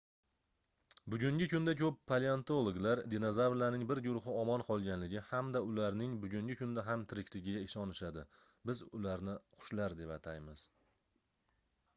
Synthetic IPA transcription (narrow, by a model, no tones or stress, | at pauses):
bʊɡʲʊŋɡʲɪkʰʊnd̪akʲʰɵpʰːaleant̪olˠoɡlaɾd̪enozavlanɪŋbɪɾɡʊɾʊχɨɒmɒnqʰɒlˠɡʲanlɪɡʲɪhamd̪aʊlaɾnɪŋbʊɡʲʊŋɡʲɪkʰʊnd̪aɦamt̪ʰɪɾɪkʲlɪɡʲɪɡʲaɪʃɒnɪʃad̪ɪ | bɪzʊlaɾnɪqʰʊ̥ʃlaɾd̪e̞pat̪ʰajmɪz̥